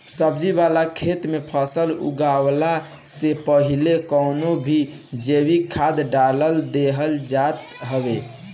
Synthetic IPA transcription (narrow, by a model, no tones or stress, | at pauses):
səb̚d͡ʒibalakʰet̪mepʰəsəlṵɡawla | sepəɦilekəʊnobʱi | d͡ʒebikʰad̪ɖaləld̪eɦəld͡ʒat̪ | ɦəbe